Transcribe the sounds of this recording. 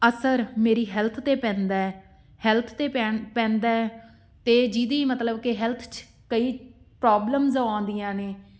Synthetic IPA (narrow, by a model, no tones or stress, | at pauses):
əsəɾmeːɾiːɦɛːlt̪ʰt̪eːpɛ̃ːnd̪aːɛː | hɛːlt̪ʰt̪eːpɛːpɛ̃ːnd̪aːɛ | t̪eːd͡ʒid̪iːmət̪ləbkeɦɛlt̪ʰt͡ʃ | kəiːpɾaːbləmzəãːnd̪ijãːneː